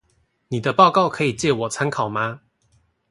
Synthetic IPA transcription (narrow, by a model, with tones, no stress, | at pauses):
ni˨˩d̪ə˦pɑ˥˧ʊkɑ˥˨ʊkʰɤ˧˦i˨˩t͡ɕjɛ˥˩˨wɔ˨˩t͡sʰa˦nkʰɑ˨˩ʊma˦